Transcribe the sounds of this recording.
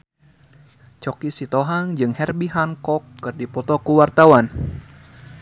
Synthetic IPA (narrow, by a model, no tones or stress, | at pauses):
t͡ʃɔkisit̪ɔɦaŋd͡ʒɨŋhɛrbiɦaŋkɔkːɨrdipɔt̪ɔkuwart̪awan